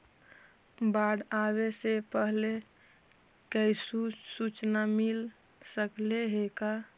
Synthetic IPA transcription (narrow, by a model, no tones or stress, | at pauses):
baɽawesepəɦle | kəisusut͡ʃnamil | səkleɦeka